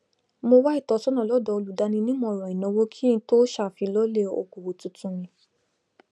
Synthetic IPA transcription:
mo˧wa˦i˦˨tɔ˧sɔ˦nɔ̃˨lɔ˨˦dɔ˧˨o˧lu˨da˧nĩ˧nĩ˦mɔ̃˧ɔ˨ɾɔ̃˨ĩ˨nɔ̃˨˧wo˦kʰi˦ĩ˧to˦ʃa˦˨fi˧lɔ˦le˦o̰˧˨ko˨wo˨tũ˧˦tũ˧˦mĩ˧

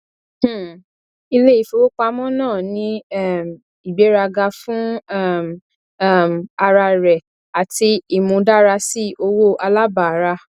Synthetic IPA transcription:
i˧le˦i˦˨fo˦o˦k͡pa˧mɔ̃˦nãː˦˨nĩ˧˦ɛ˦˨m˨ | i˨be˨˦ɾa˧ɡa˧fũ˦˨m˦˨ | ma˧ɾa˧ɾɛ˨ | a˨ti˧i˦˨mũ˧da˦ɾa˧si˦ʔo˧wo˦ʔa˧la˦ba˨a˨˦ɾa˧

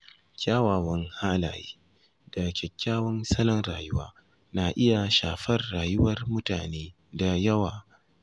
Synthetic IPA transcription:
kʲaː˦waː˨wɐ˦ŋhaː˦la̰ː˨jḭː˦ | da˨kʲɛ˨kʲːaː˦wɐ˦nsɐ˦lɐ˦nɾaː˨jʊ˦waː˦ | naː˨ʔɪ˦ja˨ʃa̰ː˨ɸɐ˦rːaː˨jʊ˦wɐ˦rmʊ˦taː˨neː˦ | da˨jɐ˦waː˨

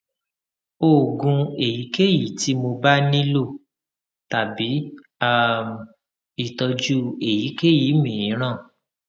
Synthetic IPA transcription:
o˦˨ɡũ˧e˨ji˨˦ke˦ji˨ti˨˦mo˧ba˦nĩ˦lo˦˨ | ta˨bi˨˦ | a˦˨m | i˦˨tɔ˧d͡ʒu˦e˨ji˨˦ke˦ji˨˦mĩ˨ĩ˨˦ɾ̃ã˦˨

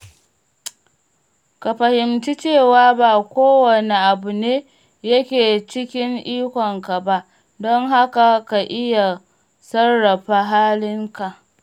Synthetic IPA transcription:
ka˨ɸɐ˨hɪ˨mt͡ʃɪ˦t͡ʃeː˦˨waː˦baː˨kʷoː˦wɐ˨ne˨ʔa˨bu˨neː˦ | jɐ˦kʲeː˨t͡ʃɪ˦kʲɪ˦ŋʔiː˦kʷɔ˨ŋka˨ba˦ʔ | dɔ˦ŋɦa˦ka˨ka˨ʔɪ˦ja˨ | sɐ˦rːɐ˨ɸa˦ɦaː˦lɪ˦ŋka˨ʔ

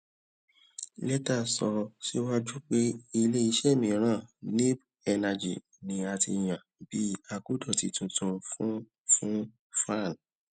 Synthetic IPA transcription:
lɛ˦ta˦˨sɔ˧si˦wa˦d͡ʒu˦k͡pe˦i˧le˦i˧ʃɛ˦˨mĩ˨˦ɾ̃ã˦˨nĩ˦b | ɛ˧na˧d͡ʒḭ˨ | nĩ˨˦a˧tḭ˧j̃ã˨bi˦a˧ku˦dɔ˦˨ti˨˧tũ˧tũ˧fũ˦ | fũ˦ | fa˦˨n

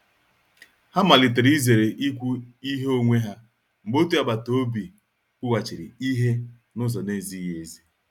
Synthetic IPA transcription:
ha˦ma˨lɪ˨t̬e˨ɾi˦ze˨ɾe˨ʔi˦kʷu˦i˦ɦe˦o˦ŋʷe˦ɦa˦ | ŋ͡m̩˨ɡ͡bo˦tu˦a˦ba˨to˦bi˨ | kʊ˦wa˨t͡ʃi˨ɾḭ˨i˦ɦe˦ | nʊ˦zɔ˨ne˦˨zi˦je˦˨zi˦

